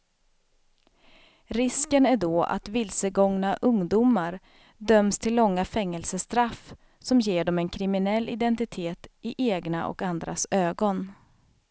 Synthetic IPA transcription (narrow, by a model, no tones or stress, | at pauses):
ɾɪskənæɖɔa̰t̪vɪlsəɡɔŋnaʔɵŋd̪uːmaɾ | d̪œmst̪ʰɪlːɔŋːafɛŋːɛlsəst̪ɾaf | sɔmjeːɖɔmɛnkʰɾɪmɪnɛlːɪd̪ɛnt̪ɪt̪ʰeːt̪ɪʔeːɡna̰ʔɔ̰kand̪ɾa̰søːɡɔn